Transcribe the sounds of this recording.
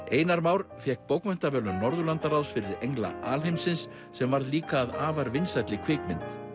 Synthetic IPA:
eːjnaɾmaːwɾfjɛhk̚powkmɛn̥t̪avɛːlʏmnɔɾðʏlant̪aɾawsfɪɾɪɾejŋla̰ʔaːlɦejmsɪnsː | ɛmvaɾðliːkaːðaːvaɾvɪnsajt̪lɪkʰv̥ɪːkmɪnt̪

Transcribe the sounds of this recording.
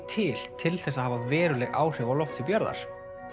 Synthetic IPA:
t̪ʰɪl̥t̪ʰɪlθɛsːahavavɛːɾʏlɛɣa̰ːwr̥ʏvawlɔft̪ɪpjœɾða̰ɾ̥

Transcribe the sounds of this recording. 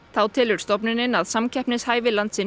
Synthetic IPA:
θawt̪ʰɪːlʏɾ̥st̪ɔp̬nɪnɪnaðsamcʰɛhpnɪshaːjvɪlant̪sɪ

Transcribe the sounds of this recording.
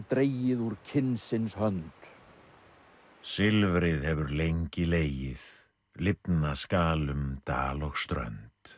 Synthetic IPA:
t̪ɾeːjɪðuɾ̥cʰɪnsɪnshœnt̪ | sɪlvɾɪðhɛvʏɾlejɲcɪleːjɪð | lɪpnaskaːlʏmt̪a̰ːlɔɣst̪ɾœ̰nt̪

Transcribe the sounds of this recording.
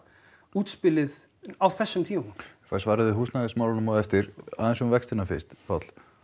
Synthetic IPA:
uːt̪spɪlɪð | awθɛsːʏmt̪ʰiːmafasvaːɾaðɪɦuːstnaɣɪsmawlɪnʏmɔɛft̪ɪɾa̰ːðɛnsɛmvɛkst̪ɪnafɪ̥st̪fat̪l̥

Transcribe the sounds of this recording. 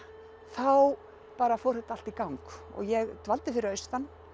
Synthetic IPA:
θaw | paːɾafɔwɾhɛt̪ːal̥t̪ikawŋkɔ̰ɣjɛɣt̪valt̪ɪfɪɾɪɾœɥst̪an

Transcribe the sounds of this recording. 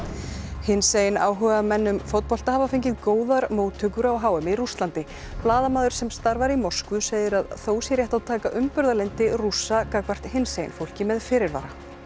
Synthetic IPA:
hɪnsejnaːwɦœɣamɛnːʏmfowt̪̚pɔl̥t̪ahavafejɲcɪðkoːwðaɾmoːwt̪ʰʏkʏɾawɦaːwɛmɪiɾust̪lant̪ɪ | plaːðamaːðʏɾ̥sɛmst̪aɾvaɾimɔskvʏseːjðɪɾaðθoːwsjɛɾjɛht̪awt̪ʰaːkaʔʏmpʏɾðalent̪ɪrusːakakvar̥t̪hɪnseːjnfowl̥cɪmɛðfɪːɾɪɾva̰ːɾa

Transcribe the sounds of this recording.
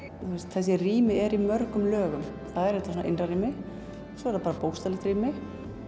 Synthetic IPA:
θwɛst̪θɛs̬ːɪriːmɪɛɾimœɾkʏmlœːɣʏm | θaðɛɾɛht̪asunaʔɪnrariːmɪ | sɔɛɾθapaːɾapowxst̪alɛxt̪ɾiːmɪ

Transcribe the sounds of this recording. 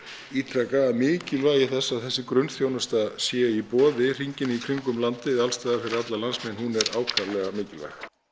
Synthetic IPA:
iːt̪ʰɾakaamɪːcɪlvaːjɪθɛsːaːθɛsːɪkɾʏnθjownast̪asjɛipɔːðɪr̥iɲcɪnikʰɾiŋkʏmlant̪ɪalst̪aːðafɪɾɪɾat̪lalansmɛnhunɛɾaːwkʰaɾlɛɣamɪːcɪlva̰jɣ

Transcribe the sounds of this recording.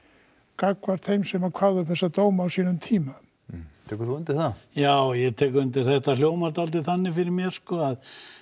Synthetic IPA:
kakvaɾ̥θejmsɛmakʰaɾðʏpθɛsːat̪oːwmaːwsiːnʏmt̪ʰiːma | t̪ʰɛːkɾθuʏnt̪ɪθajaːwjɛt̪ʰɛːkʏɾʏnt̪̬ɪɾ̥θɛht̪aljoːwmaɾt̪alt̪̬ɪθanːɪfɪɾɪɾmjɛɾ̥skɔað

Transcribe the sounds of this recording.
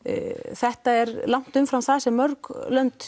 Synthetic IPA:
θɛht̪aɛɾlawŋ̥t̪ʏmfɾamθaðsɛmːœɾklœnt̪

